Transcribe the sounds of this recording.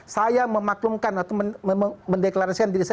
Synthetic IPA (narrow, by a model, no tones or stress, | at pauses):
sajaməmaklumkanat̪awməndeklaɾasikandiɾisa